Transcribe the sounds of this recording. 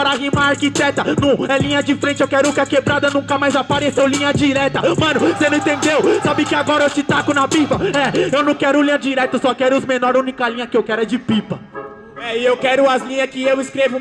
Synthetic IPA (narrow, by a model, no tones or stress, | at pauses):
aɾɐaɦimaɾaɾkit̪ɛt̪ɐnɐ̃ɛlĩɲɐd͡ʒɪfɾẽnt͡ʃɪewkɛɾʊukɐkebɾad̪ɐnũkɐmajzapaɾesewlĩɲɐd͡ʒiɾɛt̪ɐmɐ̃nʊsenɐ̃ĩt̪ẽnd̪ewsabɪkɪaɡɔɾɐewt͡ʃɪt̪akʊnɐbipɐɛewnɐ̃w̃kɛɾʊlĩɲɐd͡ʒiɾɛt̪ɐsɔkɛɾʊʊzmenɔɾũnikɐlĩɲɐkɪewkɛɾɐd͡ʒɪpipɐ | ɛɪewkɛɾʊɐzlĩɲɐskɪewɪskɾevʊ